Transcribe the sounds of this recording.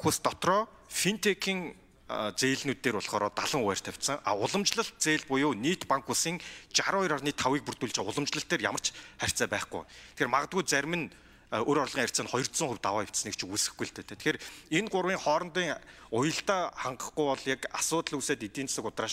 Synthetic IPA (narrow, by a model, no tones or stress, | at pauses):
ust̪ɔt̪rɔː | fint̪ʰekʰiːŋ | t͡seːɮnuːt̪ːeːrɔɮχɔːɾɔːt̪aɮə̆ŋwæːr̥t̪ʰæw̥ʲt̪sə̆ŋa̰ʊɮə̆mt͡ɕɮə̆ɬt̪̚t͡seːɮpʊjʊːniːt̪paŋkʰxusiːŋt͡ɕaɾʊɔjɾarniːt̪ʰːawiːk̚pur̥t̪uːɮt͡ɕeːʊɮə̆mt͡ɕɮə̆ɬt̪eːrjamər̥t͡ɕχær̥ʲt͡sæːpæːχɡṵjt̪ʰĕ̥xeːrmaʁə̆t̪̚ɡujt͡sæɾʲmɘ̆n | oɾɔrɮʁiːŋær̥ʲt̪t͡saːnχɔjɞ̆r̥t̪sə̆ŋχuwʲt̪awaːjɪw̥ʲt̪sə̆nĕkt͡ɕʰɪkusɘ̆xɡujɬt̪ʰeːt̪ʰeːt̪ʰxeːɾenɢʊɾwiːŋχɔːɾɞ̆nt̪iːŋ | ʊjə̆ɬt̪aːχaɴɢə̥̆χɡujpɔɮjakasʊːt̪ɮuseːt̪it̪iːnt͡ssə̆kʊt̪raːʃ